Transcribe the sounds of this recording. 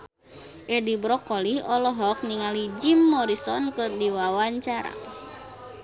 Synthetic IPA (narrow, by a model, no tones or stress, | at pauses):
ʔɛdibɾɔkɔlihɔlɔɦɔk̚niŋalid͡ʒimːɔɾisɔnkɔdiwawaɲt͡ʃaɾa̰